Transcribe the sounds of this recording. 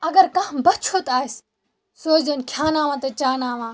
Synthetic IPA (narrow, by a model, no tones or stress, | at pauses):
ɐɡəɾkãːbɐt͡ʃʰoːt̪aːis | soːzənkʰjaːnaːʋãːt̪ɐt͡ʃaːnaːʋãː